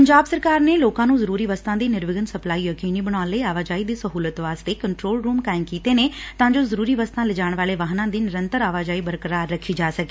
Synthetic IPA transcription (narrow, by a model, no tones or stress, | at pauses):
pəɲd͡ʒaːbsəɾkaːɾneːloːkãːnũːzəɾuːɾiːʋəst̪ãːd̪iːnɪɾʋɪɡənsəplaːiːəkeːniːbəɽ̃aːleːaːʋaːd͡ʒaːiːd̪iːsəɦuːlət̪ʋaːst̪eːkəɳʈɾoːlɾuːmkaːɪmkiːt̪eːneːt̪ãːd͡ʒoːzəɾuːɾiːʋəst̪ãːlɪd͡ʒaːɳ̃ʋaːleːʋaːɦnãːd̪iːnɪɾənt̪əɾaːʋaːd͡ʒaːiːbəɾkəɾaːəkʰːiːd͡ʒaːsəke̥ː